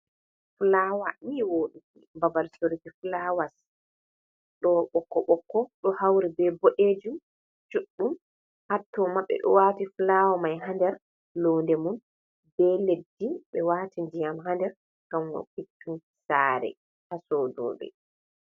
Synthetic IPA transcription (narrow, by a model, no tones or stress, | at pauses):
flaːwamiːwoɗukibabalsoɾikifulawas | ɗɔɓɔkːɔɓɔkːɔɗɔhawɾibɛboʔed͡ʒum | t͡ʃuɗːum | hatːɔmaɓːɛ̰ɗɔ̰waːtifulawamajɦandɛɾ | lɔndɛmun | bɛledːiɓɛwaːtindijamɦandɛɾ | kamɡɔ̰ɓitːun | saːɾɛ̰ | hasɔdɔ̰ːɓɛ̰